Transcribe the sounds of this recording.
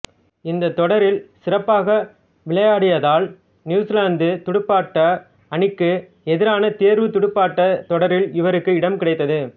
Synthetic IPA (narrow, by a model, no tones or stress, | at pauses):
ɪnd̪ɐt̪ːɔɽɐɾɪlsɪɾɐpːaːɣɐ | ʋɪɭɐjaːɽɪjɐðaːl | njuːslaːnd̪ɯt̪ʊɽɯpːaːʈːɐ | ɐɳɪkːɯ | ɛðɪɾaːnɐt̪eːɾʋɯt̪ʊɽɯpːaːʈːɐt̪ɔɽɐɾɪlɪʋɐɾɯkːɯɪɽɐmkɪɽɐɪt̪ːɐðɯ